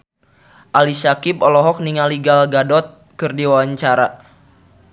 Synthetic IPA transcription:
ʔalisakip̚ɔlɔɦɔk̚niŋaliɡalɡadɔt̪̚ | kɨrdiwawaɲt͡ʃaɾa

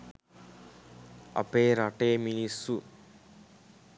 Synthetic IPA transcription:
ɐ̰peːɾaʈeːminisu

